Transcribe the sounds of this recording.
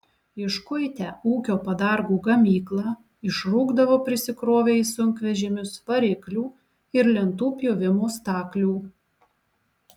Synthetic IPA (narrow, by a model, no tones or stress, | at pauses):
ɪʃkʊɪt̪ʲæːuːkʲoːpɐd̪ɑɾɡuːɡɐmʲiːklˠɑː | ɪʃɾuːɡd̪ɐʋoːpʲɾʲɪsʲɪkɾoːʋʲeɪsʊŋʲkʲʋʲɛʒʲɪmʲʊspɐɾʲɪklʲuː | ɪɾlʲɛnt̪uːpʲjoːʋʲɪmoːst̪ɑːklʲuː